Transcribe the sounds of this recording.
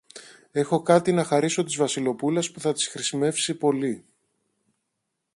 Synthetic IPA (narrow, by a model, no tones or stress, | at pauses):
e̞xo̞kɐt̪inɐxɐɾiso̞t̪izvɐsilo̞pulɐspuθɐt̪i̥sxɾisime̞fsipo̞li